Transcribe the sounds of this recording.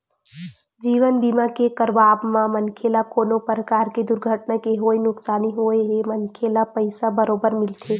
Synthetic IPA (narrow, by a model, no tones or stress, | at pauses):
d͡ʒiːʋənbiːmakekəɾʋaːbmãmənkʰelakoːnopɾəkaːɾked̪ʊɾɡʱəʈnakeɦoːinʊksaːniɦoeɦemənkʰelapəɪsabəɾoːbəɾmɪlt̪ʰeː